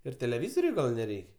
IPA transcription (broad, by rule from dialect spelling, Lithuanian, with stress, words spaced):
ɪr tʲɛlʲɛˈʋʲiːzoːrʲʊɪ ˈɡɐlˠ nʲɛˈrʲɛɪkʲ